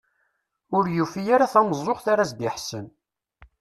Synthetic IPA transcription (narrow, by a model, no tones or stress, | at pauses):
ʊɾjufijaɾaθæməzˤːoχθaɾasd̪ɪħsən